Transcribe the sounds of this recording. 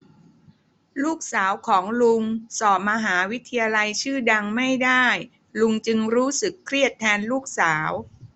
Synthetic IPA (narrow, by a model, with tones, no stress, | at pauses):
luː˥˩k̚saː˩˦wkʰɔː˩˦ŋlu˧ŋsɔː˨˩p̚ma˧ɦaː˩˦wi˦˥t̪ʰa˧jaː˧la˧jt͡ɕʰɯː˥˩da˧ŋma˥˩jda˥˩j | lu˧ŋt͡ɕɯ˧ŋɾuː˦˥sɯ˨˩kʰɾi˥˩ət̪ʰːɛː˧nluː˥˩k̚saː˩˦w